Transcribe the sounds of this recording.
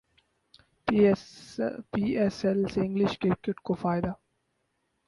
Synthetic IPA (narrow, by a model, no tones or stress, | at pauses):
piɛsɛlsɪ̃ŋɡlɪʃkeɾkjʊʈkofaːɪd̪a